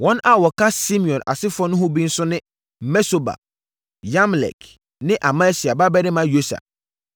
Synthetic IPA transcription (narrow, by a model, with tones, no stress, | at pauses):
wɔ̃˦na˦wɔ˨kʰa˦si˦mĩ˨ɔ̃˨na̰˨sɪ˦fɔ˦nʊ̃˦ɦʊ̃˦bi˦n̩˦sʊ˦nɪ̃˦ | mɛ˦so˨ba̰˨ | jã˦m˨lɛ̰˨k | nɪ̃˦ʔa˨ma˦si˨a˨ba˦bɛ˦nɪ̃˦mã˨˦jo˦sa̰˨